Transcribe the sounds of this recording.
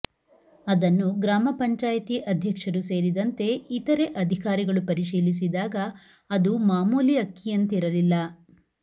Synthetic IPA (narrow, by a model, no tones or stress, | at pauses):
ɐd̪ɐnːuɡɾaːmɐpɐɲt͡ʃaːjɐt̪iʔɐd̪ʱjɐkʂɐɾuse̞ːɾid̪ɐnt̪e̞it̪ɐɾe̞ʔɐd̪ʱikaːɾiɡɐɭupɐɾiʃiːlis̬id̪aːɡɐ | ɐd̪umaːmuːliɐkːijɐnt̪iɾɐlilːɐ